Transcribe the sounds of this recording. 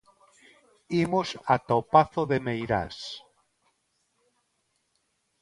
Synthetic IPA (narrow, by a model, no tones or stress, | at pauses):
imosat̪opaθoðemejɾa̰s